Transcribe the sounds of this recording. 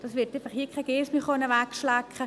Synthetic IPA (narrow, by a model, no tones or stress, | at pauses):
d̥ɑsʋɪtefɑχhiːkʰaɪɡeːsmiχonəʋækʃlækχə